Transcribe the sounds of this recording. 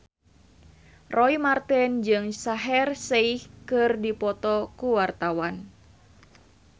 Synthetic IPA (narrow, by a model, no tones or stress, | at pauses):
rʔɔimart̪ɛnd͡ʒɨŋsaɦɛrseihkɨrdipɔt̪ɔkuwart̪awan